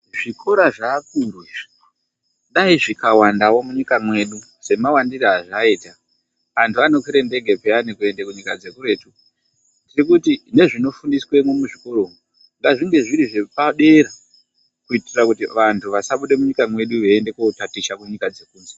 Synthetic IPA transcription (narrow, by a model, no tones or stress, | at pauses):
ʐ̥ikʰo̞ɾaʐaːkurwi | ɗaiʐikawandawo̞muɲikamwe̞ɗu | se̞mawandiraaʐaita | ʋantʰuano̞kiɾende̞ɡʱe̞peanikue̞ndekuɲikad͡ze̞kuɾe̞ːtu | ndiɾikutine̞ʐino̞fundiswe̞mwumuʐiko̞ɾo̞ːŋu | ŋɡaʐiŋɡe̞ʐiɾiʐe̞paɗe̞ɾa | kuitirakutiʋantʰuʋasaɓuɗe̞muɲikamwe̞ɗuʋeːnde̞kotatiʃakuɲikad͡ze̞kuːnze